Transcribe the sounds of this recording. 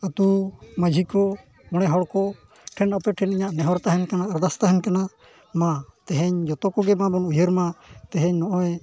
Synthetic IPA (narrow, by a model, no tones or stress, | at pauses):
ət̪uməd͡ʒʱikɔ | mɔɽ̃ɛɦɔɽkɔ | ʈʰɛnɔpɛʈʰɛniɲaʔnɛɦɔɾt̪aɦɛnkanaəɾd̪ast̪aɦɛɲkana | mãt̪ɛɦɛɲd͡ʒɔt̪ɔkɔɡɛmãbɔnujəɾmãt̪ɛɦɛ̃ɲnɔʔɔɛ